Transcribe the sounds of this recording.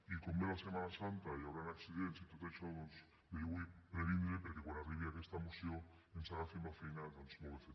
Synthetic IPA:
ikomelasemanasant̪aiaoɾanaksiðensjit̪ot̪aʃoos | d̪elwipɾeɾind̪ɾepeɾkekonariβjakest̪amusjo | ensaɣaθimbafejnat̪ansumoβeθe

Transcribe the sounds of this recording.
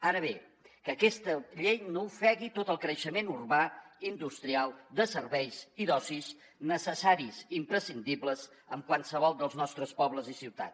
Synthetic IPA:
aɾəβ̞e | kəkɛst̪əʎejnofɛɣit̪ot̪əlˠkɾəʃəmenurβaind̪ust̪ɾialˠd̪əsərβɛjziðɔsis | nəsəsaɾiziːmpɾəsind̪ibləz | əmkwansəβ̞ɔlˠd̪əlˠznɔst̪ɾəspɔβləzisiwt̪a̰t̪

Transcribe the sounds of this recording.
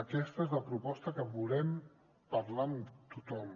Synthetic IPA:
əkɛst̪əezləpɾupɔst̪əkəβulɛm | pəɾlant̪ut̪ɔm

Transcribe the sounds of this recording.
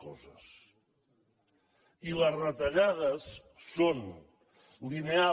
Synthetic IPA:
kɔzə̰s | iləzrət̪əʎaðəsː | on | linea

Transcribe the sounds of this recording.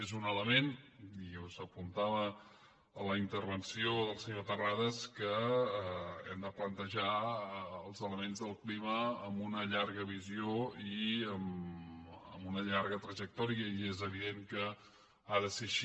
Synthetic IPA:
ezunələmeniuzəpunt̪aβəː | ləint̪əɾβənsioðəlˠsəɲot̪əraðəskə | ɛ̰md̪əplənt̪əʒa | əlˠzələmenzðəlˠkliməːmunəʎaɾɣəβizioiəm | ə̰munəʎaɾɣət̪ɾəʒək̚t̪ɔɾiəiezəβ̞iðeŋkə | aðəseʃ

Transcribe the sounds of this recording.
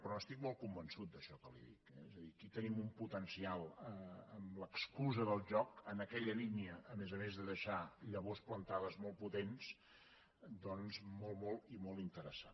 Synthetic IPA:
pɾɔəst̪ik̚mɔlˠkumbənsut̪̚d̪əʃɔkəlḭðḭkɛezəðikit̪ənimumput̪ənsialˠəəmləkskuzəðəlˠʒɔkənəkɛʎəliniəʔːmezəmezðəðəʃaʎəβ̞osplənt̪aðəzmɔlˠput̪ens | d̪ɔnzmɔlˠmɔlˠimɔlˠint̪əɾəsat

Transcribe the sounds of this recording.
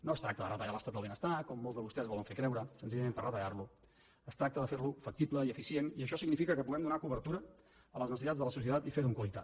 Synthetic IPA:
noəst̪ɾak̚t̪əðərət̪əʎaləst̪ad̪əβenəst̪akɔmːolˠzðəβust̪ɛzβɔləɱfekɾɛwɾəsənziʎəmempərət̪əʎarlu | əst̪ɾak̚t̪əðəfeɾlufək̚t̪ipləiəfisieniəʃɔsiɡnifikəkəpuɣɛmd̪unakuβəɾt̪uɾə | ələznəsit̪ad͡zzðələsus̬iət̪at̪ifeɾuŋkwəlit̪at̪

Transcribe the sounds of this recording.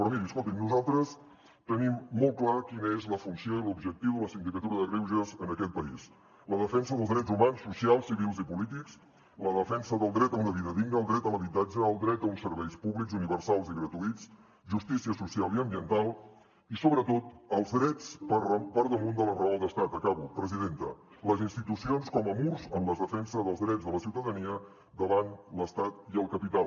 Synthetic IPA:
pɾɔmiɾiəskolˠt̪imnuzalˠt̪ɾəs | t̪ənimːɔlˠklakinəezləfunsioilubʒək̚t̪iwðələsind̪ikət̪uɾəðəriwʒəzənəkɛt̪̚pəḭs | ləðəfɛnsəðəlˠzd̪ɾɛd͡zumansːusialˠsiβilˠzipulit̪iks | ləðəfɛnsəðəlˠd̪ɾɛt̪əunəβiðəðiɡnəlˠd̪ɾɛt̪əməβit̪ad͡ʒəːlˠd̪ɾɛt̪̚əunsəɾβɛjspuβlikzuniβəɾsalˠziɣɾət̪uit͡s | ʒust̪isiəsusialˠiəmbiənt̪alˠ | isoβɾət̪ot̪əlˠzdɾɛt͡spəpəɾðəmund̪ələrəalˠd̪əst̪at̪əkaβupɾəziðent̪ə̰ | ləzinst̪it̪usionskɔməmuɾzəmləzðəfɛnsəzðəlˠzðɾɛzðələsiwt̪əðəniə | d̪əβanləst̪at̪iəlˠkəpit̪al

